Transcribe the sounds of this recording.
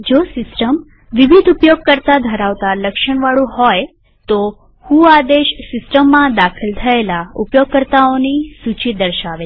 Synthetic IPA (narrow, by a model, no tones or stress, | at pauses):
d͡ʒosɪsʈəm | ʋiʋid̪ʱupjoɡ̚kəɾt̪ad̪ʱəɾaʋt̪aləkʃəɳ̃ʋaɭũɦɔj | t̪o | hũad̪eʃsɪsʈəmːãd̪akʰəlt̪ʰəelaupjoɡ̚kəɾt̪aonisut͡ʃid̪əɾʃaʋe